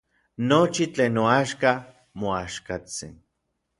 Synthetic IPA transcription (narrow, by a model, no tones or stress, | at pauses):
not͡ʃit͡ɬeːnːoaʃka | moaʃkat͡sḭn